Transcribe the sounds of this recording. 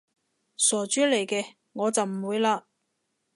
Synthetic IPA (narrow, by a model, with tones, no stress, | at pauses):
sɔː˨˩t͡ʃyː˥le˨˩jkɛː˧ | ŋɔː˨˧t͡sɐ˨wm̩˨˩wuː˨˧jlaː˧